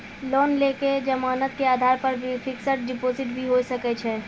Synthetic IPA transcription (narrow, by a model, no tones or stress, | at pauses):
lɔnleked͡ʒəmaːnət̪̚keaːd̪ʱaɾpəɾbipʰiksəʈ̚ɖipoziʈbʱiɦojsəkɛt͡ʃʰɛ